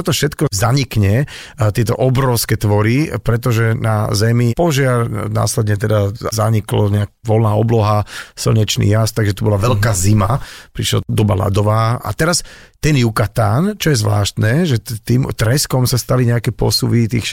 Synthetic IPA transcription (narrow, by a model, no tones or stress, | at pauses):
ɔt̪ɔfʃɛt̪kɔzaɲikɲɛ | t̪ɪɛt̪ɔʔɔbɾɔʊskɛːt̪ʋɔɾipɾɛt̪̬ɔʒɛnazɛmipɔʒɪaɾna̰ːslɛd̪ɲɛt̪ɛd̪azaɲiklɔ̰ɲɛakʋɔlnaːɔblɔɦasl̩ɲɛt͡ʃnḭːjast̪aɡʒɛt̪ubɔlaʋɛlkaːzimapɾiʃla̰d̪ɔbala̰d̪ɔʋaːʔa̰t̪ɛɾast̪ɛnjukat̪aːnt͡ʃɔjɛzʋla̰ːʃt̪nɛːʒɛt̪iːmt̪ɾɛskɔmsast̪aliɲɛakɛpɔ̰suʋit̪ḭːx